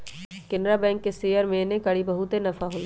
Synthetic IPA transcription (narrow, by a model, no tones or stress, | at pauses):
kɪnɾabɛ̃ːŋkːeseːjəɾmẽːnẽkɐɽibɐɦut̪enɐfaɦol